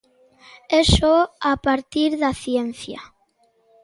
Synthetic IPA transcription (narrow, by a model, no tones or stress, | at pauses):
esoapaɾt̪iɾðaθjenθja̰